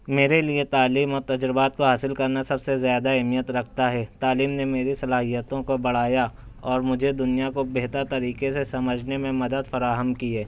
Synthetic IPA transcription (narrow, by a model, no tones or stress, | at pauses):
meːɾeliet̪aːliːmɔːɾt̪ɐd͡ʒɾɪbaːt̪̚koɦaːsɪlkɐɾnasɐbsezjaːd̪aɛɦmijət̪ɾɐkʰt̪aɦɛːt̪aːliːmnemeːɾisɐlaːɦijət̪õkobɐɽ̤aːja | ɔːɾmʊd͡ʒʱed̪ʊnijakobeɦt̪əɾt̪ɐɾiːkesesɐməd͡ʒʱnemẽmɐd̪əd̪fɐɾaːɦəmkiɛː